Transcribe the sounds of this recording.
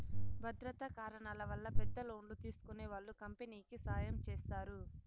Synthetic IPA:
bʱɐd̪ɾɐt̪ɐkaːɾɐɳaːlɐʋɐlːɐpɛd̪ːɐlo̞ːɳlut̪iːsu̥kuneːʋaːɭːukɐmpeniːkisaːjɐmt͡ʃɛːst̪aːɾu

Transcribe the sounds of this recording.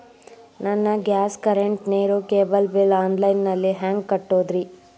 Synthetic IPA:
nɐnːɐɡjaːskɐɾeɳʈneːɾukeːbɐlbelaːnlɐjnːɐlːiɦaːŋɡ̚kɐʈːoːd̪ɾi

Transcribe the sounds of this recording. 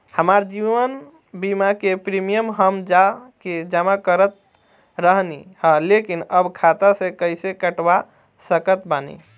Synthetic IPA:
həmaɾd͡ʒiʋən | bimakepɾimijəmɦəmd͡ʒaked͡ʒamakəɾət̪̚ | ɾəɦnihə̃lekinəbkʰat̪asẽkəjsekəʈba | səkət̪banḭ

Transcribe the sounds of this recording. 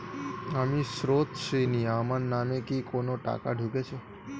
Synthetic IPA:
amiʃɾot̪ʃiniamanːamekikonoʈa̰ka̰ɖʱuket͡ʃʰe

